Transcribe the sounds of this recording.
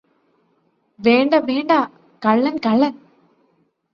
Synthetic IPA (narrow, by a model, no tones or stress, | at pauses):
ʋeːɳɖɐʋeːɳɖɐ | kɐɭːɐnkɐɭːɐn